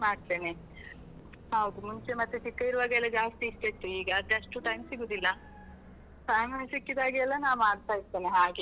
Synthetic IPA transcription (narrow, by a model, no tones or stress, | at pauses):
maːɖt̪e̞ːne | hɐʋd̪umuɲt͡ʃemɐt̪ːuʈikːɐiɾuʋaːɡɛlːɐd͡ʒaːst̪iːsʈ̪et̪ːuiːɡɐd̪eɐʂʈuʈɐjmsiɡud̪ilːɐ | pɾaːmasikːid̪aːɡiɛlːɐnaːnmaːɖt̪aːit̪ːeːneɦaːɡe